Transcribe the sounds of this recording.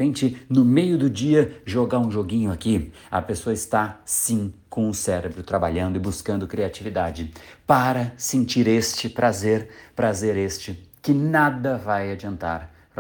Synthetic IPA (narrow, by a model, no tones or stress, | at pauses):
ẽnt͡ʃɪnʊmejʊd̪ʊd͡ʒiɐʒoɡaɾũʒoɡĩɲʊaki | ɐ̰pesoɐɪst̪asĩkõʊ̃sɛɾebɾʊt̪ɾaba̰ʎɐ̃nd̪ʊɪbuskɐ̃nd̪ʊkɾiat͡ʃivid̪ad͡ʒɪpaɾɐsẽnt͡ʃiɾest͡ʃɪpɾazeɾpɾazeɾest͡ʃɪkɪnad̪ɐvajad͡ʒiɐ̃nt̪a̰ɾ | ɾ